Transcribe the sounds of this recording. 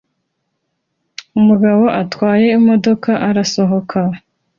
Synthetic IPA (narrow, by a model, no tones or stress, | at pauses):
umuɡaβo̞ʔatwaːje̞imo̞do̞kʰaʔaɾaso̞ɦo̞kʰa